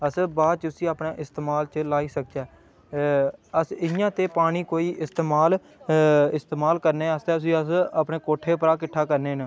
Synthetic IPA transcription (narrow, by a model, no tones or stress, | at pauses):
əsbaːd̪̚t͡ʃsĩːaːpneːʔɪst̪eːmaːlt͡ʃəlaːiːsək̚t͡ʃaː | əsɪjãːt̪eːpaːɽ̃iːkoːiːʔɪst̪eːmaːl | ɪst̪eːmaːlkəɾneːast̪eːʊsĩːəsəpneːkoːʈʰːeːpəɾaːkɪʈʰːaːkəɾneːnə